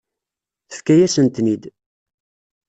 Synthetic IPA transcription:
θə̥fkːæjæsənt̪nid̪

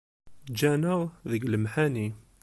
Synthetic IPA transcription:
d͡ʒænəðəɡəlmħani

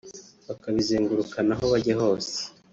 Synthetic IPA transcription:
βakaβizeːŋɡuɾukanaɦoβaɟeɦo̞ːse̥

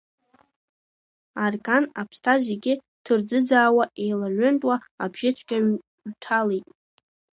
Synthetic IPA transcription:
arkʼanapʰstʰazeɡʲɪ | tʰɨrd͡zɨd͡zaːwaʔe̞jlaʕʷʏntʼwaabʒ̥ɪt͡ʃʷʰkʲʼaɥ | ɥtʰalejtʼ

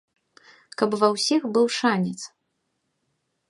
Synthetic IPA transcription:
kɐpvɐwsʲixbɨwʂanʲɛt̪s

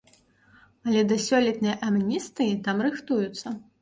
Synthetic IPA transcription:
ɐlʲɛd̪ɐsʲɔlʲit̪nɐjʔɐmnʲist̪ɨjit̪amrɨxt̪ujut̪sːɐ

